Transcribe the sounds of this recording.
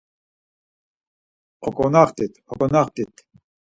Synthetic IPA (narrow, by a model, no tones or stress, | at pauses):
ɔkʼɔnaχt̪ʼit̪ɔkʼɔnaχt̪ʼit̪ʰ